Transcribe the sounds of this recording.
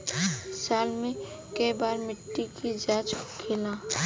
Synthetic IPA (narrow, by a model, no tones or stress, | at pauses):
saːlmẽ | kebaːɾmɪʈːikid͡ʒaːt͡ʃkʰɪlãː